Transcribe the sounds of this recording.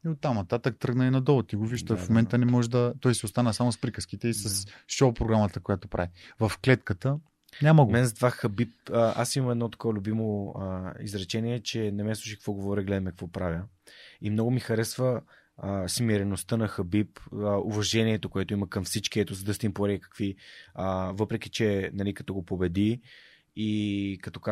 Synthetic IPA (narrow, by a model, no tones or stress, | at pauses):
iot̪ːamnɐt̪at̪əkt̪ɾɤɡnəinɐd̪ɔlˠt̪iɡoviʒd̪əfmomɛnt̪ənɛmɔʒɛd̪ɐt̪ɔjsɛost̪anəsamospɾikəsk̟it̪ɛisɐsʃopɾoɡɾamət̪əkojat̪opɾʔa̰vivɐfklɛt̪kət̪ə | ɲʲaməɡomɛnzd̪vaxɐbip̚ːʔasimɐmɛd̪nɔt̪ɐ̥kɔvlʲʊbimo | ḭzɾɐt͡ʃɛniɛt͡ʃɛnɛmɛslˠuʃikə̥kvɔɡovɔɾiɡlɛd̪əmɛkɐkvɔpɾavʲjəimnɔɡʊmixɐɾɛsvə | smiɾɛnost̪ənɐxɐbipəuvɐʒɛniɛt̪okoɛt̪oimɐkəmfsit͡ʃkiɛt̪usd̪əst̪impoɾiɛkɐ̥kviəvɤpɾɛk̟i̥t͡ʃɛnɐlikɐt̪ɔɡopobɛd̪iː | kɐt̪ɔka